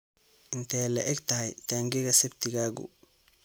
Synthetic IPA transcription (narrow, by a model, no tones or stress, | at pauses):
ʔɪnt̪ʰɛlɐ̰ʔɛɡt̪ʰɐɦɐjt̪ʰaːŋɡɛɣɐsɛbt̪ʰɪɣaːɣʊ̰